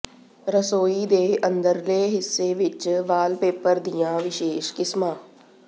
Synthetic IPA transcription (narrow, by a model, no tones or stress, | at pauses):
ɾəsoːiːd̪eːənd̪əɾleːɦɪsːeːʋɪt͡ʃʋaːlpeːpəɾd̪ɪjãːʋɪʃeːʃkɪsmãː